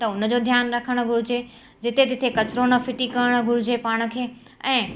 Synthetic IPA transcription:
t̪ɐʊnə̆d͡ʑod̪ʱjaːnɾɐkʰəɽ̃ʊ̆ɡʱʊɽ̤ɪd͡ʑe | d͡ʑɪt̪et̪ɪt̪ʰekɐt͡ɕɾoːnɐfɪʈikɐəɽ̃ə̆ɡʱʊɽɪd͡ʑepaːɽ̃ə̆kʰeː | ɛ̃ː

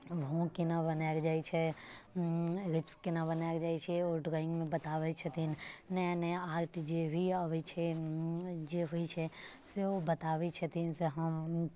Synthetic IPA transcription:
ʋõõkinabənaːɡd͡ʒaːit͡ʃʰɛ | ɾɪpskenabənaːɡd͡ʒaːit͡ʃʰɛɔːɾɖɾɔːɪ̃ŋɡmẽbɐt̪aːʋet͡ʃʰɐt̪innɛnɛ̃aːɾʈd͡ʒebʱiəʋit͡ʃʰɛ | d͡ʒeɦuit͡ʃʰɛ | seobət̪aːʋet͡ʃʰət̪inseɦəm

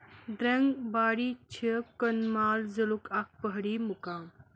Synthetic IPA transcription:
d̪ɾɐŋɡbaːɽiːt͡ʃʰikɐnmaːlzɐlukʰak̚pəɦɽiːmukãːm

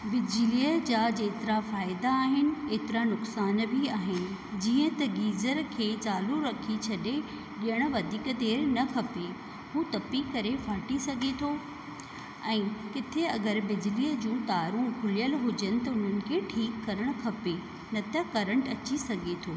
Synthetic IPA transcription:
bɪd͡ʑɪliːəd͡ʑaːd͡ʑeːt̪ɪɾafaːɪd̪aːɦɪnɪ̆eːt̪ɪɾanʊksaːnbʱiaːɦɪnɪ̆ | d͡ʑiːə̃t̪ɐɡiːzəɾkʰeːt͡ɕaːluɾɐkʰit͡ɕʰɐɗe | ɠijəɽ̃ə̆ʋɐd̪ʱiːkt̪eːɾnɐkʰɐpe | ɦũːt̪ɐpikɐɾefaːʈisɐɡʱet̪ʰoː | ɛ̃ːkɪt̪ʰeɐɡəɾbɪd͡ʑɪliːəd͡ʑũːt̪aːɾũkʰʊlijəlɦʊd͡ʑənɪ̆t̪ɐʊn̤ənɪ̆kʰeːʈʰiːkːɐɾəɽ̃kʰɐpe | nɐt̪ɐkɐɾəɳʈɐt͡ɕisɐɡʱet̪ʰoː

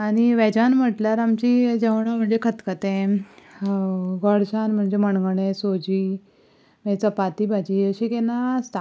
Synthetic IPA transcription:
aɽ̃iʋɛd͡ʑanm̤əʈljaɾamt͡ɕid͡ʑəʋɳam̤əɳd͡zekʰət̪kət̪ẽ | ɡɔɽɕanm̤əɳd͡zeməɳɡəɳẽsod͡ʑiː | mɛt͡səpat̪ibʱad͡ʑiəɕikenast̪a

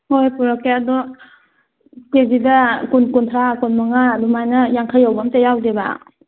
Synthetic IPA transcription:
hojpuɾɔkeadɔ | kebidakunkuntʰɾakunmaŋadumajnɐjaŋkʰajawbamtajawdeba̰

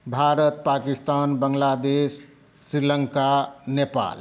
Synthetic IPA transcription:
bʱaːɾət̪̚paːkist̪aːnbəŋlad̪esː | ɾiləŋkanepa̰ːl

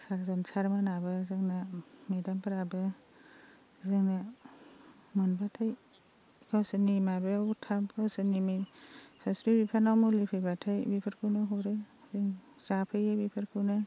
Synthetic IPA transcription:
saɾzɔnsaɾmanabɯzaŋnamedampʰɯɾabɯ | zaŋna | mɯnbatʰaj | kʰawsɯnimabeawtʰabkʰawsɯnimɯjsasɾibipʰanawmulipʰɯjbatʰajbipʰaɾkʰɯnɯɦɔɾɯ | zɯŋ | sapʰɯjabipʰaɾkʰɯwnɯ

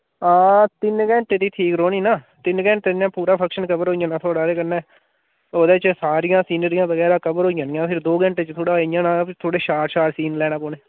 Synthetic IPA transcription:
ãːt̪ɪnɡɛ̃ːɳʈeːd̪iːʈʰiːkɾoːniːnaː | t̪ɪnɡɛ̃ːɳʈeːd̪jãːpuːɾaːpʰəkʃənkəbəɾɦoːɪjãːnãːt̪ʰoːɽaːɾeːkənɛ̃ː | oːd̪eːt͡ʃsaːɾɪjãːsiːnəɾijãːbəɡɛːɾaːkəbəɾɦoːijãːnjãːpʰɪɾd̪oːɡɛ̃ɳʈeːt͡ʃt̪ʰoːɽaːijãːnãːt̪ʰoːɽeːʃaːɾʃaːɾsiːnlɛːɽaːkoːneː

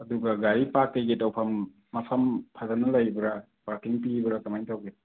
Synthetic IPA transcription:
ɐduɡɐɡaɾipakːejɡetawpʰɐmː | ɐpʰɐmpʰazanɐlajbɾa | paɾkiŋpibɾakamajntʰawɡe

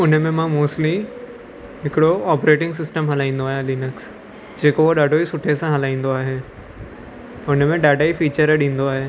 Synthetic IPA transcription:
ʊn̤mẽmãmoːsʈli | ɦɪkɪɽoɔːpɾeːʈɪ̃ŋɡsɪsʈəmɦɐlaːĩːnd̪oaːɦjãliːnəks | d͡ʒeːkoʋoɗaːɖʱoisʊʈʰesãɦɐlaːĩːnd̪oaːɦeː | ʊn̤mẽɖaːɖaːifiːt͡ʃəɾɗĩːnd̪oaːɦeː

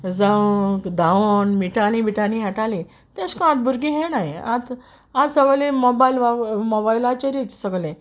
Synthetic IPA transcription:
d͡zaukd̪aonmiʈalĩbiʈanĩɦɛʈalĩ | t̪ɛ̃skaãt̪̚bʱuɾɡiɦɛnaja̰t̪ | at̪səɡlẽmɔbailʋamɔbailat͡ɕeɾit͡ssəɡlẽ

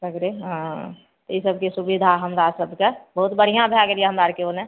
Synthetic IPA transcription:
səɡɾeɦã | t̪oisəb̚kesubid̪ʱaɦəmɾasəbʱkebəɦʊt̪bəɽ̤ijãbʱjaɡeɾijeɦəmɾaːɾkeonẽ

